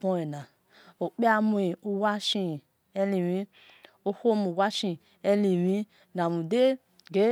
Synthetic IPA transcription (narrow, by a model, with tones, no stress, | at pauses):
po˦e˨na˨ | o˨k͡pi˦a˦mu˦i˨u˦wa˦ʃi˦˨ | e˦li˨wĩ˦ | o˦ho˦mu˨wa˦ʃi˧˨ | e˦li˨wi˦ | na˨mu˨de˦ | ɡe˦